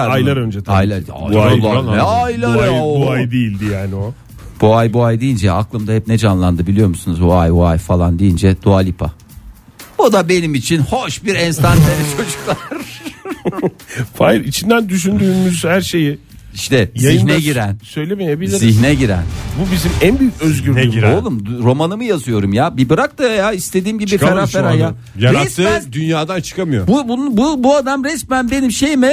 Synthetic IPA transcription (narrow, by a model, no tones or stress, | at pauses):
aajlˠaɾønd͡ʒɛajlˠaɾaalˠaaajlˠɾjuajd̪ejilʲd̪ijaːnio | b̥uajbuajd̪ijind͡ʒɛaklˠɯmd̪aɦɛp̚nɛd͡ʒanlˠand̪ɯbilʲijo̞ɾmusunuzbuajbuajfalˠand̪ejind͡ʒɛd̪̥ualʲipʰa̰ | bud̪abe̞nimit͡ʃʰinhoʃbiɾɛnst̪ant̪ʰeɾɛt͡ʃʰo̞d͡ʒuklˠaɾ | fajɾit͡ʃʰind̪ænd̪yʃ̬ynd̪yːmyzhæɾʃe̞ji | iʃt̪ʰɛziçnɛɟiɾæ̰nsø̞jlʲemejebilʲiɾziçnɛɟiɾæ̰nbubizimænbyjycøzɡyɾɛyiɾolˠumɾo̞manɯmɯjazɯjo̞ɾumjaːbibɯɾak̚t̪ɯjaist̪ʰe̞d̪iːmɟibbikaɾafeɾɾaja | jaɾast̪ʰːɯd̪ynjaːd̪ant͡ʃʰɯ̥kʰamɯjobubunububuad̪amɾɛsmænbe̞nimʃe̞jimɛ